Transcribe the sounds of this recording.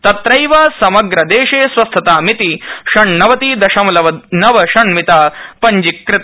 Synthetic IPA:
t̪ɐt̪ɾɐjʋaːsɐmɐɡɾɐd̪eːʂeːsʋɐst̪ʰɐt̪aːmit̪iʃɐɳnɐʋɐt̪iːd̪ɐʃɐmlɐʋɐnɐʋɐʃɐɳmit̪aːpɐɲd͡ʒikːɾɪt̪ɐ

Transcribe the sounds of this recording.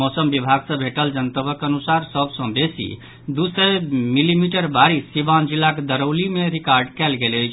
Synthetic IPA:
mɔsəmbibʱaɡsə̃bʱeʈəld͡ʒənt̪əbəkənusaɾsəbʱsə̃besḭ | d̪usəmilimiʈəɾbaɾisiband͡ʒilːaked̪əɾəʊlimeɾikaɾɖkɛlɡeləjt͡ʃʰ

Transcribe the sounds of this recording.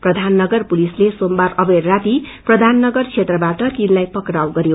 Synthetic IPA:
prʌd̪ʱanːʌɡʌrpulislesombaɾʌberːat̪iprʌd̪ʱanːʌɡʌrt͡sʰet̪rʌbaʈʌt̪inlajpʌkɾawɡʌɾjo

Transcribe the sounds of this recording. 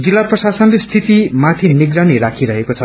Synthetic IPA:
d͡zilːaprʌsasʌnlest̪ʰit̪imat̪ʰiniɡɾaniɾakʰiɾʌɦekot͡sʰʌ

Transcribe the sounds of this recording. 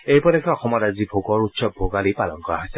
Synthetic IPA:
ejpɔdekʰɛɔxɔmɔtazibʱoɡɔɹutsɔbʱoɡalipalɔŋkɔɹa̰ɦɔjsɛ

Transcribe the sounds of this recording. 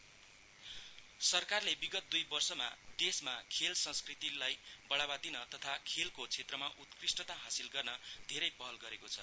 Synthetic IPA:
sʌrkarlebiɡʌt̪̚d̪ujbʌrsʌma̰d̪esmakʰelsʌ̃nskrit̪ilajbʌɭabad̪inʌt̪ʌt̪ʰakʰelkot͡sʰet̪rʌmaʔut̪krisʈʌt̪aɦasilɡʌrnʌd̪ʱeɾʌjpʌɦʌlɡʌɾekot͡sʰʌ

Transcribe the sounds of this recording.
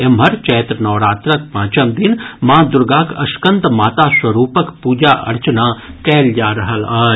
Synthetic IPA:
emɦɐɾt͡ʃɛːt̪ɾnɔːɾaːt̪ɾək̚pãːt͡ʃəmd̪ɪnmãːd̪ʊɾɡaːkɐʃkə̃nt̪maːt̪aːswɐɾuːpəkpuːd͡ʒaːʔɐ̰ɾt͡ʃənaːkɛːld͡ʒaːɾɐɦəlaː

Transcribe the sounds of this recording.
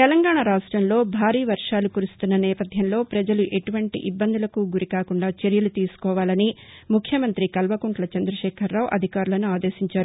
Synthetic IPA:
t̪ɛlɐŋɡaːɳɐɾaːʂʈɾɐmlo̞ːbʱaːɾiːʋɐɾʂaːlukuɾust̪unːɐnɛːpɐd̪ʱjɐmlo̞ːpɾɐd͡ʒɐluʔe̞ʈuʋɐɳʈḭʔibːɐnd̪ulɐkuɡuɾikaːkuɳɖaːt͡ʃeɾjɐlut̪iːsu̥kɔːʋaːlɐnimukʰjɐmɐnt̪ɾikɐlʋɐkuɳʈlɐt͡ʃɐnd̪ɾɐʃɛːkʰɐɾːaːʋuʔɐd̪ʱikaːɾulɐnuaːd̪e̞ːsiɲt͡ʃaːɾu

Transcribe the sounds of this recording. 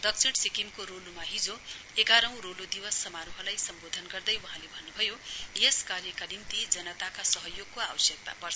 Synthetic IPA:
d̪ʌk̚sʰiɽsikimkoɾolumaɦid͡zo | eɡaɾʌ̃w̃ɾolod̪ibʌsːʌmaɾuɦʌlajsʌmbod̪ʱʌnɡʌrd̪ʌjuɦãlebʱʌnːubʱʌjojeskarjʌkanimt̪id͡zʌnʌt̪akasʌɦʌjoɡ̚koabʌsjʌk̚t̪a̰pʌrs

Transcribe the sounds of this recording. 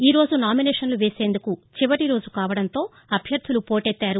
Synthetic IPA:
iːɾo̞ːd͡ʒunaːminɛːʂɐnluʋe̞ːse̞ːnd̪ukut͡ʃiʋɐʈiɾo̞ːd͡ʒukaːʋɐɽɐnt̪o̞ː | ɐbʱjɐɾd̪ʱulupo̞ːʈet̪ːaːɾu

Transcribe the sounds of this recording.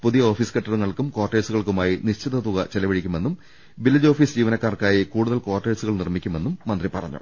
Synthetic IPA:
puðijɐoːfiːskɐʈːɐruŋːɐɭkumko̞ːrʈːeːsuɣɐɭkumaːjiniɕt͡ɕiðɐt̪uɣɐt͡ɕelɐʋɐɻikʲːume̞nːum | bilːɐd͡ʑo̞ːfiːsd͡ʑiːʋɐnɐkːaːrkaːjikuːɽuðɐlkoːʈːeːsuɣɐɭnirmikʲːume̞nːumːɐnd̪ripɐrɐ̰ɲːṵ

